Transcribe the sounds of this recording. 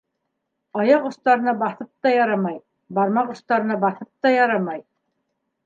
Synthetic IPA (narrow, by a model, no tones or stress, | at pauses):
ɑjɑqŏθt̪ɑɾɤ̆nɑbɑθɤp̚t̪ɑjɑɾɑmɑj | bɑɾmɑqŏst̪ɑɾɤ̆nɑbɑθɤp̚t̪ɑjɑɾɑmɑj